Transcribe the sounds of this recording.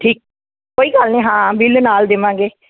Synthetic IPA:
ʈʰiːk̚ | koːiːɡəlnẽːɦãːbɪlnaːld̪ɪʋãːŋɡeː

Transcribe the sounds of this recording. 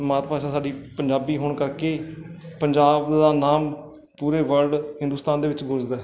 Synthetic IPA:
maːt̪paːʃaːsaːɖiːpəɲd͡ʒaːbiːɦoːɳkəɾkeːpəɲd͡ʒaːbd̪aːnaːm | puːɾeːʋəɾɖhɪ̃nd̪uːst̪aːnd̪eːʋɪt͡ʃɡʱʊd͡ʒd̪aː

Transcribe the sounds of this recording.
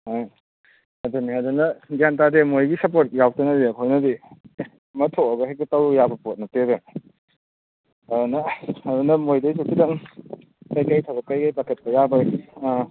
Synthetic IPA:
aj | ɐdoniɦadunɐɡjantademojɡisɐp̬oɾt̚jawtɐnɐdiɐkʰojnɐdi | mɐtʰoɐɡɐɦekɐtɐwjabɐpot̚nɐtebe | ɐdonɐadunɐmojdɐjsokidɐŋ | kajkajtʰɐbɐkːajkajpakʰɐt̚pɐjabɐ

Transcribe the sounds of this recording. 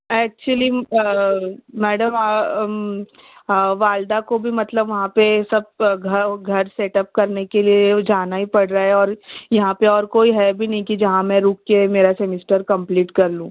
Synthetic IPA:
ɛːk̚t͡ʃuəli | mɛːɖəma | ʋaːld̪akobʱimɐt̪ləbʋɐɦãpesɐb̚ɡʱɐɡʱɐɾseːʈɐp̚kɐɾnekelied͡ʒaːnaɦipɐɽɾaɦɛɔːɾjɐɦãpeɔːɾkoːiɦɛːbʱinɐɦĩkid͡ʒɐɦãmɛ̃ɾuːkːemeːɾasemɪsʈəɾkɐ̃mpliːʈkɐɾlũː

